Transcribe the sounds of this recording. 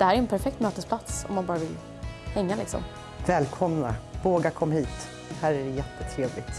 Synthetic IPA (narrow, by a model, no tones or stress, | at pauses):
d̪̥ɛhæːɾæɾɛnpʰæɾfɛk̚t̪møːt̪əspʰlat̪sɔ̰mːanbɑːɾavɪl | hɛŋːalɪksɔ̰m | vɛːlkʰɔmnavoːɡakʰɔmːahiːt̪ | hæːɾæɖɛjɛt̪ʰːət̪ʰɾeːvlɪɡt̪